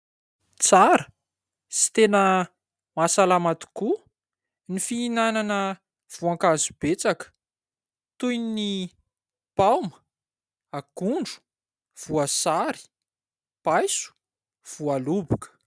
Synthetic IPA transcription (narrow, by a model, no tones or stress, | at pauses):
t͡saɾə | si̥t̪enə | masalamat̪u̥ku | nifiːnananə | v̥uãŋkazubet͡sakə̥ | t̪ujnni | pawmə̥ | aɡuɳɖ͡ʐu̥ | v̥uasaɾi̥ | pajsu̥ | v̥ualubukə̥